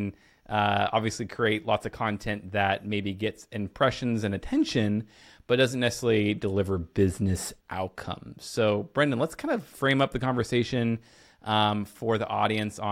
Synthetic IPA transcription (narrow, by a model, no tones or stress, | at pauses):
n | ʔʌɑ̰bviɨslikʰɹ̥ieɪtˡlɔ̰tsʌv̥kʰɑ̃ntʰɛ̃nðɨt̚meɪbiɡɛtsɨ̃mpʰɹ̥ɛʃɨ̃nzɨ̃nɨtʰɛ̃nʃɨ̃n | b̥ʌt̚d̥ʌzn̩nɛsɨ̥sɛlˠidəlɪvə˞bɪznɨsʔa̰ʊt̚kʰʌ̰̃mz̥soʊb̥ɹɛ̃ndɨ̃nlətskʰãɪ̃ndʌv̥fɹẽɪ̃mʌp̚ðɨkɑ̃ɱvə˞seɪʃɨ̃n | ʔfə˞ðiʔɔ̰ɾiɨ̃ns